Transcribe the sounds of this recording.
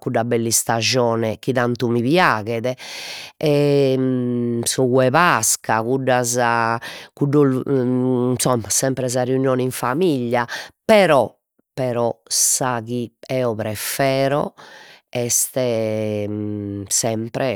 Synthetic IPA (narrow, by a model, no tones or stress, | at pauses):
kuɖːabɛlːist̪ad͡ʒɔːnɛk̟iðant̪umiβjaːɣɛðɛ | ɛ | sɔɣwɛβaskakuɖːazakuɖːɔ | nsɔmːasɛmpɾɛz̬aɾeunjɔːniɱfamiʎːapɛɾɔ | pɛɾɔsaɣiɛːɔpɾɛfɛːɾɔ | ɛst̪ɛ | sɛmpɾɛ